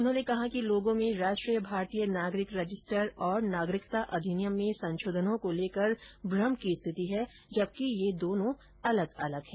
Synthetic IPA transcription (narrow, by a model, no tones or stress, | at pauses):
ʊnɦõːnekɐɦãkiloːɡõmẽɾaːʃʈɾiːjəbʱaːɾt̪iːjənaːɡɾɪkɾɐd͡ʒɪsʈəɾɔːɾnaːɡɾɪkt̪aʔɐd̪ʱɪnjəmːẽsɐ̃nʃoːd̪ʱənõkoleːkəɾbɾəmkist̪ʰɪt̪iɦɛ | d͡ʒɐb̚kijed̪oːnõ | ɐləɡɐləɡɦɛ̃ː